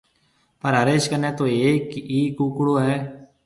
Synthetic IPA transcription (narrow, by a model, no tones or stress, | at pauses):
pəɾəɾeːʃkənẽːt̪õːeːkiːkuːkʊɽoːɦɛː